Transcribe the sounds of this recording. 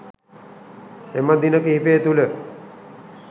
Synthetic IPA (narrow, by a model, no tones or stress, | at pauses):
eməd̪inəkiɦipeːt̪ulə